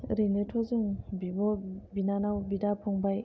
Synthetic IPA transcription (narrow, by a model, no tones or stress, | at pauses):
ɾinɯtʰɔzɯŋbibɔbinanawbidapʰɔŋbaj